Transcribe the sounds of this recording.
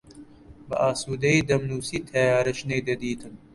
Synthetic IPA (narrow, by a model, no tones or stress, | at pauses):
bɐ̰ʔaːsuːd̪ɐid̪ɐmnuːsit̪ʰɐjaːɾɐɕned̪ɐd̪iːt̪ʰɐm